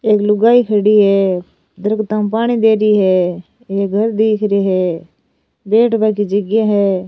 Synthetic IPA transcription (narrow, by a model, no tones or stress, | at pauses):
eːklʊɡaːiːkʰəɽiːɦɛː | d̪əɾɡt̪ãːmpaːɽ̃iːd̪eːɾiːɦɛː | eːk̚ɡʱəɾd̪eːkʰɾiːɦɛː | beːʈbaːkiːd͡ʒəɡjaːɦɛː